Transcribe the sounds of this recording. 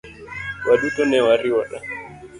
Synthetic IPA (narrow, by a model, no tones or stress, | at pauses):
waɗutɔnɛwaɾiwɔɗa